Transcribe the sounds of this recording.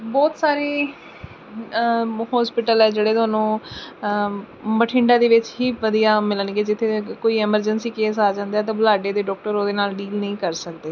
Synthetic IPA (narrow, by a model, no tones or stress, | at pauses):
bɔːt̪saːɾeː | hɔːspɪʈəlɛːd͡ʒeːɽeːt̪oːnũː | məʈʰɪ̃ɳɖãːd̪eːʋɪt͡ʃɦiːʋəd̪ijaːmɪlənɡeːd͡ʒɪt̪ʰːeːkoːiːɛməɾd͡ʒənsiːkeːsaːd͡ʒãːnd̪aɛːt̪̬ãːbʊlaːɖeːd̪eːɖɔːk̚ʈəɾoːd̪eːnaːlɖiːlnəĩːkəɾsəkd̪eː